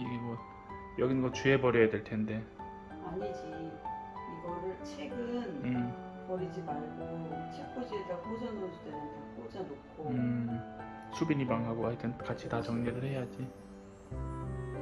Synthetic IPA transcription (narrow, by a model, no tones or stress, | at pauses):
iɡe̞mwʌ | jʌɡinɡʌt͡ɕuɦe̞pʌɾjʌjadwe̞ɭtʰe̞nde̞ | aɲid͡ʑi | iɡʌɾɯɭt͡ɕʰe̞ɡɯnɯ | pʌɾid͡ʑimaɭɡot͡ɕʰek͈od͡ʑieɡapod͡ʑanɯod͡ʑidenɯndʌp͈od͡ʑanok͈ʰoɯ | sʰubiɲimaŋɦaɡoaitʰɯnkat͡ɕʰitat͡ɕʌŋɲeɾɯɭhe̞jad͡ʑi